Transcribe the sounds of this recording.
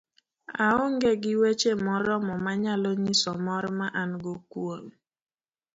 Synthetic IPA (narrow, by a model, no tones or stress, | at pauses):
aɔŋɡeɡɪwet͡ʃemɔɾɔmɔmaɲalɔɲisɔmɔɾmaʔanɡokwon